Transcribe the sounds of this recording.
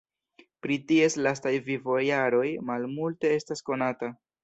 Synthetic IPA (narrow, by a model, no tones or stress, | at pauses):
pɾitie̞slastajvivo̞jaɾo̞jmalmulte̞e̞stasko̞nata